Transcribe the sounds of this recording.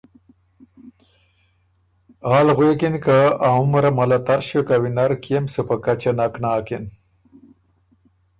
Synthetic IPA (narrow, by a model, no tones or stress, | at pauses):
aːlɣweːkinkaaumɾamɐlat̪aɾɕekawinaɾkjemsupakat͡ʃanaknaːkin